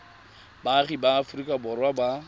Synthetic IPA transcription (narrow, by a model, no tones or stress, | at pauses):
baχibaːfʊrikʼabʊrwaba